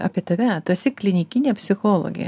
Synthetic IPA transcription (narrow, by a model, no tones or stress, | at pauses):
ɐ̰pʲiɛt̪ɐʋʲɛt̪ʊsʲɪklʲɪnʲɪkʲɪnʲeːpʲsʲɪxoːlˠo̰ːɡʲɪ̰jɛ̰